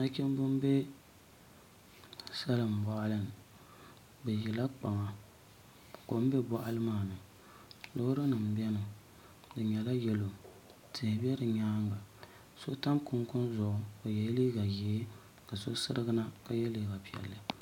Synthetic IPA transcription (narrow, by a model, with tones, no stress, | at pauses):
na˦kʲɛ˦m˦bʊ˦m˦be˦ | sa˦lɨ˨m̩˨ba˨ʔa˦lɨ˦n˨ | bɛ˨ji˨la˦k͡pa˨ŋa˨ | ko˨m̩˦bɛ˦bɔ˦ʔa˦lɨ˦maː˦˨nɨ˨ | lo˦hɾɨ˦nɨ˨m̩˨bɛ˦nɨ˨ | dɨ˨ɲɛ˨la˦jɛ˦lo˨ | tʰɪ˨hbɛ˦dɨ˨ɲaː˦ŋ˦ɡa˨ | so˦ta˦mkʊ˦ŋkʊ˦nzʊ˨ʔʊ˦o˨jɛ˨jli˦ɡa˨je˨˦ | ka˨so˦sɨ˦ɾɨ˦ɡɨ˦na˦ka˦jɛ˦li˨˦˨ɡa˨pi˨ɛ̰˨lːɨ˨